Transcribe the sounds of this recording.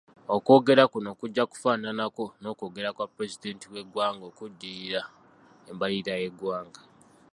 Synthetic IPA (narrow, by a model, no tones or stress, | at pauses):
oko̞ːɡe̞ɾakuno̞ːkuɟːaku̥faːnanako̞no̞ːko̞ːɡe̞ɾakwapɾe̞zide̞ːntiwe̞ɡwaːŋɡokudːiɾa | embaliɾaje̞ɡwaːŋɡa